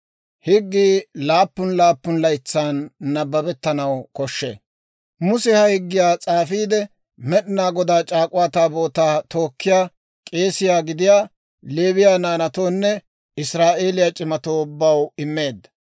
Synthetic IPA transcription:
hɪɡːiːlaːpːʊnlaːpːʊnlɐjt͡sːaːnːɐbːɐbɛt̪ːɐnɐwkɔʃːḛː | mʊsɛhɐhɪɡːɪjaːt͡sʼaːfiːd̪ɛ | mɛɗɪnaːɡɔd̪aːt͡ʃʼaːkʼʊwaːt̪aːbo̞ːt̪aːt̪o̞ːkːɪjaː | kʼe̞ːsɪjaːɡɪd̪ɪjaː | le̞ːβɪjaːnaːnɐt̪o̞ːnːɛ | ɪsɾaːʔe̞ːlɪjat͡ʃʼɪmɐt̪oːʊbːɐwɪmːe̞ːd̪ːɐ̥

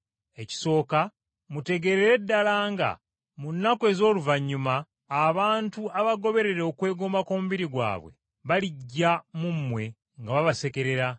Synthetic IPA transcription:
e̞ci̥so̞ːka | mute̞ɡe̞ɾeɾe̞dːalaːŋɡa̰ | munːakwe̞ːzo̞ːluvaɲːumaː | βaːntuaβaɡo̞βe̞ɾe̞ɾo̞kwe̞ːɡombako̞ːmuβiɾiɡwa̰ːβwe̞̰ | βaliɟːamumːwe̞ | ŋɡaβaβase̞ke̞ɾe̞ɾa

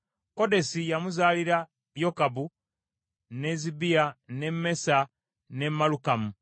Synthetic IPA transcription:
ko̞de̞sijamuzaːliɾa | jokabu | ne̞zibiane̞me̞sa | ne̞mːalukamu

